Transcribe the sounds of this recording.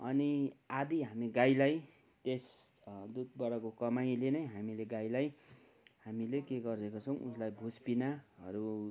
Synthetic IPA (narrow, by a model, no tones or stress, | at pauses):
ʌ̰niad̪iɦamiɡajlaj | t̪es | d̪ud̪̚bʌɾʌkokʌmaj̃lenʌjɦamileɡajlaj | hamilekeɡʌrdekot͡sʰʌw̃ʔuslajbʱuspinaɦʌɾu